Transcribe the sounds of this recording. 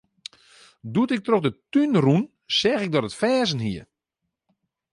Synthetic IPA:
duətɪk̚troxdətynrun | sɛːxɪk̚dɔtətfɛːzənɦiə

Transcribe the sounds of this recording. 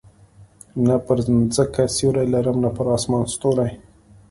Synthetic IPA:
napəɾzəkasjoɾajlaɾəmnapəɾɑsmɑnst̪oɾaj

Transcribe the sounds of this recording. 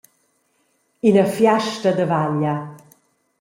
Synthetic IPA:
inəfjaʃtəd̪əvaʎːa

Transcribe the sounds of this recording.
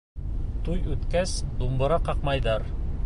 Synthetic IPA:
t̪ujʉt̪kæsd̪umbɤ̆ɾɑqɑqmɑjðɑɾ

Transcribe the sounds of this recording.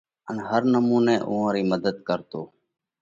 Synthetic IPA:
ənɦəɾnəmũːnẽːʔuːãːɾiːməd̪əd̪kəɾt̪oː

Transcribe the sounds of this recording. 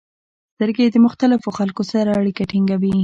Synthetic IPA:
st̪əɾɡed̪əmʊxt̪alɪfoxalkosaɾaːɽikaʈiŋɡawi

